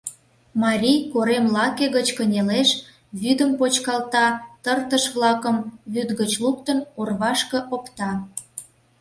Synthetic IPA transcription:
mɑɾʲijkoɾemlɑkeɣət͡ɕkənʲeleʃ | βyd̪əmpot͡ɕkɑlt̪ɑt̪ərt̪əʃβlɑkəmβyd̪ɣət͡ɕluk̚t̪ənorβɑʃkə̆ʔokt̪ɑ

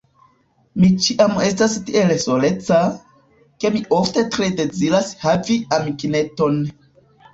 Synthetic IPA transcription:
mit͡ʃiʔame̞stastiʔe̞lso̞le̞t͡sa | ke̞miʔo̞fte̞tɾe̞de̞d͡ziɾashaviamikine̞to̞n

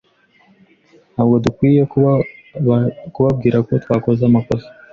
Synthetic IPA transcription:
aβɡo̞dukwiːje̞ | kuβab̚ɡiːɾako̞twaːko̞zamako̞ze̥

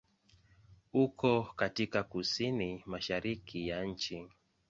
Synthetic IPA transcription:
ukɔkatikakusinimaʃaɾikʰijat͡ʃi

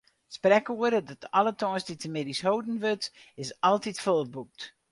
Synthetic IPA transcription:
sprɛkuəɾədɔtɔlˠətɔjsditəmɪdishowdn̩ʋøtɪsɑlˠtitfolˠbuk̚t

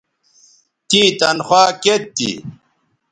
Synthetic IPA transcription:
t̪ĩːt̪ɐnxwaːket̪ːḭ

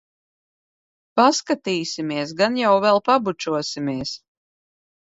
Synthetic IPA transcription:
paskat̪iːsimiɛs̬ɡanjawvɛlˠpabut͡ʃuɔsimiɛs

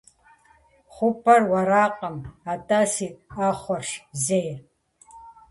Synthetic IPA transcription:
χʷʊpʰʼɐrwɐɾaːqʼɐmatʼasiːaχʷɔrʂzej

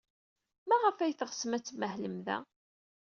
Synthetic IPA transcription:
mæʁəfæjθəʁsəmæt͡sːməhləmðæ̰

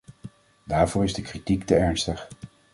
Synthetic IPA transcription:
daːɹvʊːɹɪzdəkritiktəɛɹnstəχ

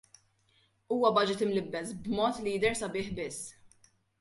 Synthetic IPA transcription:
uːwɐbɐd͡ʒɪt̪ɪmlɪbːɛsbmɔːt̪lijɪd̪ɛɾsɐbɪːħbɪsː

